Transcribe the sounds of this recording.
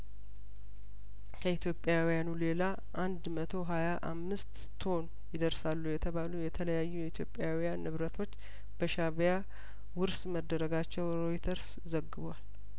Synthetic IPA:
kʰəit̪ʰjo̞pʼːjawijanule̞la | ʔand̪mət̪ʰo̞ɦajaʔa̰mːɨst̪ːʰo̞n | jɪd̪əɾsalːujɛt̪ʰəβalujɛt̪ʰələjajːujɛit̪ʰjo̞pʼːjawijanːɨβɾət̪ʰo̞t͡ʃː | b̥əʃaβja | wʊɾsməd̪ːəɾəɡat͡ʃːɛwɾojit̪ʰəɾs | zəɡɨβwal

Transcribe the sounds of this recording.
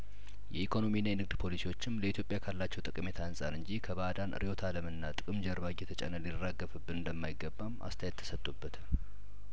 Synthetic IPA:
jɛikʰo̞no̞minːajɛnɨɡ̚d̪pʰo̞lisiwo̞t͡ʃːɪmləit̪ʰjo̞pʼːjakʰalːat͡ʃːɛwt̪ʼɨkʼɨme̞t̪ʰansʼaɾɨɲd͡ʒikʰəbad̪an̰ɾijo̞t̪ʰaləmɨnːat̪ʼɨkʼɨmd͡ʒəɾbaɡjɛt̪ʰət͡ʃʼə̰nəlirːaɡːəfɨbːɨnɨnd̪əmːajɪɡːəbːamʔa̰st̪ʰajɛt̪ʰːə̥sət̪ʼːubːət̪

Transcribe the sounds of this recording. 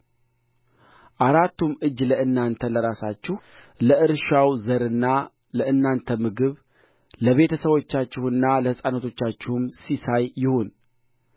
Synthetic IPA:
ʔaɾat̪ːumɨd͡ʒːləʔɨnːant̪ʰələɾasat͡ʃːɪh | ləʔɨɾʃawzəɾɨnːa | ləʔɨnːant̪ʰəmɨɡɨβ | ləβe̞t̪ʰəsəβwo̞t͡ʃːat͡ʃːɪhɨnːaləhɨsʼanət̪ʰo̞t͡ʃːat͡ʃːɛhɨmsisajːɪho̞n

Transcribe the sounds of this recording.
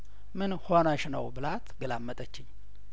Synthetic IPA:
mɨnhonaʃnə̰wbɨlat̪ɡəlamːət̪ʼət͡ʃːɪɲː

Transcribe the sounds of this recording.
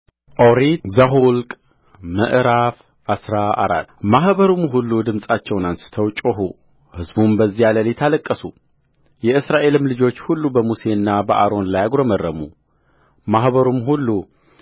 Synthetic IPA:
ʔoɾizaɦulkʼ | məʔɾaf | ʔasɾaa̰ɾa̰t̪ːmaɦbəɾumɦulːud̪ɨmsʼat͡ʃːɛwnansɨ̥t̪ʰəwt͡ʃʼɔɦu | hɨzbumbəzːijaləlet̪ʰaləkʼːəsu | jɛɨsɾaʔe̞lɨmlɨd͡ʒo̞t͡ʃːhulːubəmuse̞ɨnːabəʔaɾo̞nlajaɡɾomərːəmṵ | maɦbəɾumɦulːu

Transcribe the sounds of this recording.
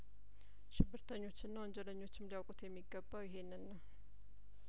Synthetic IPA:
ʃɪbːɨɾt̪ʰəɲːo̞t͡ʃːɪnːawɔnd͡ʒɛləɲːo̞t͡ʃːɪmlijawkʼut̪jɛmːiɡːəbːawjɪɦe̞nːɨnnːa

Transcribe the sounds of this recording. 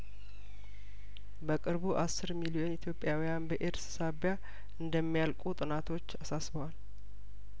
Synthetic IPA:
bəkʼɨɾbuʔasːɨɾmilio̞nit̪ʰjo̞pʼːjawijanbəʔeɾssaβja | ɨnd̪əmːijalkʼut̪ʼɨnat̪ʰo̞t͡ʃːasasbəwal

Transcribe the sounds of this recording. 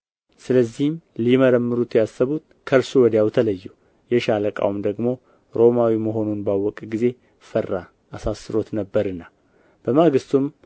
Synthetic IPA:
sɨləzːihmliməɾəmːɨɾut̪jasːəβut̪ | kʰəɾsuwɔd̪jawt̪ʰələjːu | jɛʃaləkʼa̰wmd̪əɡmo̞ | ɾo̞mawiməɦo̞nunbawːɔkʼɡize̞ | fərːaː | sasːɨɾo̞t̪nəbːəɾɨnːa | b̥əmaɡɨst̪um

